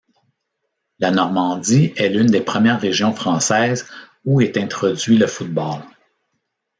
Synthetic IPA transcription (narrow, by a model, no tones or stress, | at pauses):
lanɔʁmɑ̃dd͡z̪iɛlynd̪epχəmjɛːʁːeʒjɔ̃fχɑ̃ːsɛːz | uɛt̪ɛ̃t̪χɔd͡zɥiləfut̪̚bɑl